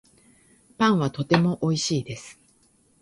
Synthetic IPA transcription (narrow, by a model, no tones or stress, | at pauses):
pãɰ̃βat̪o̞t̪e̞mo̞ʔo̞iɕiːd̪e̞sɨ̥